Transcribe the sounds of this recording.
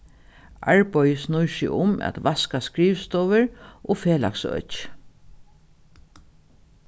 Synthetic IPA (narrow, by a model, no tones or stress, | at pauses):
ʔaɹpɔjəsnʊjʃɪ̰ʊmæ̰t̪ʋaskaskɹiːʋst̪ɔʋɪɹʔofeːla̰ksœ̰t͡ʃ